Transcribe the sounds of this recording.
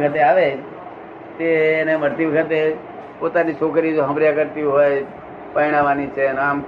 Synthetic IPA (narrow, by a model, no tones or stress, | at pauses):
kʰət̪eaʋed͡ʒ | t̪eːneməɾt̪iʋəkʰət̪e | pot̪anit͡ʃʰokɾid͡ʒoɦəmɾjakəɾt̪iɦojd͡ʒ | pəiɽ̃aʋanit͡ʃʰenam